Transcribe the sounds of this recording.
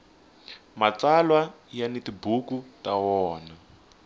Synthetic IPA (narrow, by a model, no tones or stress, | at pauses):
mat͡salwajanitibukutawɔːna